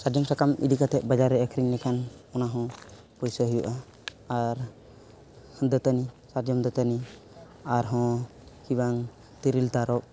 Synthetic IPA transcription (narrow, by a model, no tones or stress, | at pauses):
saɾd͡ʒɔmsakamḭd̪ikat̪ʰɛt̪̚ˀbad͡ʒaɾɛəkʰɾiŋlɛkʰanɔnaɦɔ̃ | pɔjsəɦujuʔaː | ɾ | hd̪ət̪ənisaɾd͡ʒɔmd̪ɔt̪əni | aɾɦɔ̃ | kibaŋ | t̪iɾilt̪aɾɔʔ̚